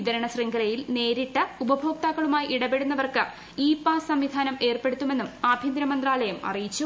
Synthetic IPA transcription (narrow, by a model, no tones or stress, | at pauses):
id̪ɐɾɐɳɐsriŋɡɐɾɐjilne̞ːɾiʈːɐubɐbʱo̞ːk̚t̪aːɣɐɭumaːjiʔiɽɐbe̞ɽunːɐʋɐrkɨ | iːpaːsɐmʋid̪ʱaːnɐme̞ːrpe̞ɽut̪ːume̞nːumaːbʱind̪ɾɐmɐnd̪raːɭɐjɐmɐ̰rijit͡ɕːu